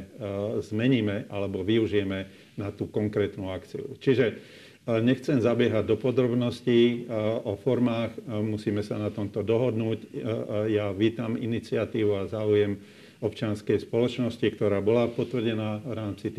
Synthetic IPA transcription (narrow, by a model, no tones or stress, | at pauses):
zmɛɲiːmɛʔalɛbɔʋiuʒijɛmɛ | nat̪uːkɔŋkɾɛːt̪nuakt͡sḭṵt͡ʃiʒɛ | ɲɛxt͡sɛmzabɪɛɦaɟ̚d̪ɔpɔd̪ɾɔbnɔsci | ɔfɔɾmaːxmusiːmɛsanat̪ɔmt̪ɔd̪ɔɦɔd̪nuːcjaʋiːt̪amḭnit͡sɪat̪iːʋuazaːujɛm | ɔpt͡ʃɪanskɛjspɔlɔt͡ʃnɔscikt̪ɔɾaːbɔlapɔt̪ʋrɟɛnaːvɾaːmt͡sit̪